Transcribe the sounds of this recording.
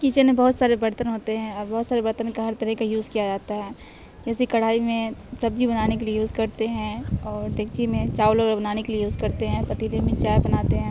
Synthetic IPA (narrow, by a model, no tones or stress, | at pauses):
kit͡ʃənẽbɐɦʊt̪saːɾebɐɾt̪ənɦoːt̪eɦɛ̃ɔːɾbɐɦʊt̪saːɾebɐɾt̪ənkaɦɐɾt̪ɐɾɛɦkajuːzkijad͡ʒaːt̪aɦɛː | d͡ʒɛːsikɐɽ̤aːimẽsɐb̚d͡ʒʱibɐnaːnekeliejuːzkɐɾt̪eɦɛ̃ɔːɾd̪eːkt͡ʃimẽt͡ʃaːʋloɡəɾbɐnaːnekeliejuːzkɐɾt̪eɦɛ̃pɐt̪iɾeːmẽt͡ʃaːjbɐnaːt̪eɦɛ̃ː